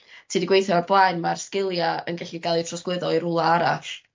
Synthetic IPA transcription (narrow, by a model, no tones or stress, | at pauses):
tʰiːdiɡwejθjɔmablˠaːjnmarskɪlˠjaə̰nɡɛɬiɡalˠitʰrɔsklɪðɔiɾʊlˠaaɾa̰ɬ